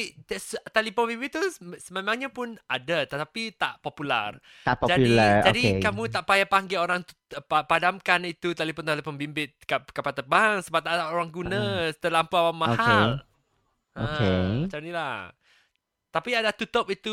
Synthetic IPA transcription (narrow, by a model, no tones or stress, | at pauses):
ist̪alipɔnbimbɪt̪ːusəmemãŋɲapʊnadat̪ət̪apit̪aʔpopula̰r | t̪apd͡ʒad͡ʒadikamũt̪aʔpajapaŋɡeoɾaŋt̪u | apadamkanit̪ut̪alipɔnt̪alipɔnbimbɪt̪̚kakapat̪əbaŋsəbap̚t̪aʔdaoɾaŋɡunə̃t̪əlampuawamahal | əokemat͡ʃamnilah | t̪apiadat̪ut̪ɔpit̪u